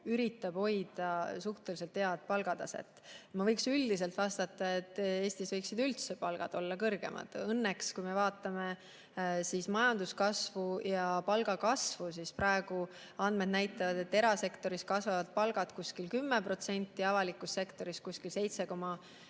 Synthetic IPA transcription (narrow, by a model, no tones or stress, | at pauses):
yɾit̪ːˑɑb̥ho̞jd̪̥ɑsuht̪eliselt̪ːhe̞ɑd̪̚pɑlɡ̥ɑd̪ɑsḛt̪ːˑmɑvɤjksyld̪is̬e̞lt̪vɑst̪ɑt̪ːˑɑe̞t̪ːˑe̞ːst̪isvɤjksid̪ylt̪sepɑlɡ̥ɑ̰d̪̥o̞lːɑkɤrɡ̥e̞̰mʔɑ̰d̪̥ɤnːekskujmevɑːt̪ːˑɑme | sismɑjɑnd̪uskɑsvujɑpɑlɡ̥ɑkɑsvusispɾɑeɡ̥u | ɑnd̪me̞d̪̚næjt̪ːˑɑvɑd̪e̞t̪ːe̞ɾɑse̞kt̪o̞ɾiskɑsvɑvɑd̪̥̚pɑlɡ̥ɑd̪kuskilkymːepro̞t̪se̞nʲt̪ːˑiɑvɑlikːˑusːe̞kt̪o̞ɾiskusʲkilse̞jt̪se̞ko̞mɑ